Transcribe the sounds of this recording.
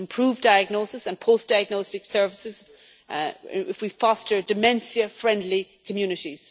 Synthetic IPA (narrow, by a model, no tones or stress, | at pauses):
ɪ̃mpʰɹ̥uːvdaɪəɡ̚nosɪsə̃npʰoʊsd̥aɪəɡ̚nostɪksɜ˞vɪsɪz | ɪfwifɔstə˞dɨmɛ̃nsiəfɹɛ̃ndˡlikʰəmjʉnɪɾiz̥